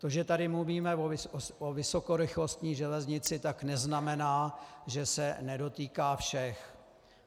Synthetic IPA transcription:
t̪oʒɛt̪adɪmluviːmɛvoɪovɪso̞koɾɪxlo̞st̪ɲiːʒɛlɛzɲɪt͡sɪt̪aknɛznamɛnaːʒɛsɛnɛdo̞t̪iːkaːfʃɛx

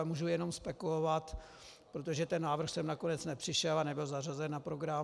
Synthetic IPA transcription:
muʒujɛno̞mspɛkulovat̪ | pɾot̪o̞ʒɛt̪ɛnːaːvr̩xsɛmnakonɛt͡snɛpr̝̥ɪʃɛlanɛbɪlzarazɛnːapɾo̞ɡɾam

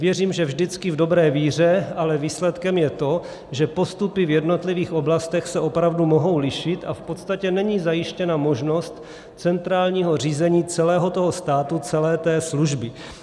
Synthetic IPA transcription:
vjɛr̝iːmʒɛvʒdɪt͡skɪvdo̞bɾɛːviːr̝ɛalɛviːslɛt̪kɛmjɛt̪o̞ | ʒɛpo̞st̪upɪvjɛdno̞t̪lɪviːxʔo̞blast̪ɛxsɛʔo̞pɾavdumo̞ɦo̞wlɪʃɪt̪ʔa̰fpo̞t̪st̪acɛnɛɲiːzajɪʃcɛnamo̞ʒno̞st̪ | t͡sɛnt̪ɾaːlɲiːɦo̞riːzɛɲiːt͡sɛlɛːɦo̞t̪oɦost̪aːt̪ut͡sɛlɛːt̪ɛːsluʒbɪ

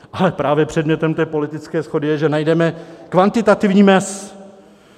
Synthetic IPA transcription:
ʔalɛpɾaːvjɛpr̝̥ɛdmɲɛt̪ɛmt̪ɛːpo̞lɪt̪ɪt͡skɛːsxo̞dɪjɛʒɛnajdɛmɛkvant̪ɪt̪at̪ɪvɲiːmɛs

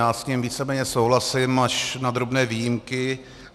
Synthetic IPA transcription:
aːsɲimviːt͡sɛmɛːɲɛsowɦlasɪmaʃnad̪ɾo̞bnɛːviːjɪmkɪ

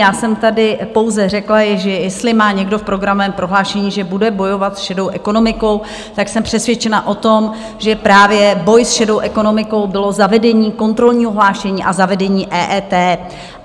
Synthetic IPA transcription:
jaːsɛmt̪adɪpo̞wzɛrɛklaʒɛjɛst̪lɪmaːɲɛɡdo̞fpɾo̞ɡɾamovɛːmpɾo̞ɦlaːʃɛɲiːʒɛbudɛbo̞jo̞vat̪sʃɛdo̞wʔɛko̞no̞mɪko̞w | t̪aksɛmpr̥ɛsvjɛt͡ʃɛnaʔo̞t̪o̞m | ʒɛpɾaːvjɛbo̞jsʃɛdo̞wʔɛko̞no̞mɪko̞wbɪlo̞zavɛdɛɲiːko̞nt̪ɾo̞lɲiːɦoɦlaːʃɛɲiːʔazavɛdɛɲiːʔɛːʔɛːt̪ɛː

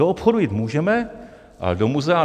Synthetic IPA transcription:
oopxodujɪt̪muːʒɛmɛ | a̰domuzɛa

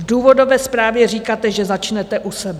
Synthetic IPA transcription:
vduːvo̞do̞vɛːspɾaːvjɛr̝iːkaːt̪ɛʒɛzat͡ʃnɛt̪ɛʔusɛbɛ

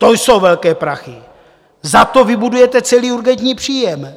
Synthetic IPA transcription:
t̪o̞jso̞wvɛlkɛːpɾaxɪ | zat̪o̞vɪbudujɛt̪ɛt͡sɛliːuɾɡɛnt̪ɲiːpr̝̥iːjɛm

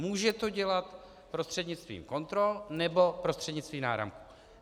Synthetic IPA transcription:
muːʒɛt̪o̞ɟɛlat̪ | pɾost̪r̝̥ɛdɲɪt͡st̪vḭːmko̞nt̪ɾo̞lnɛbo̞pɾost̪r̥ɛdɲɪt͡st̪viːmnaːɾa̰mku̥

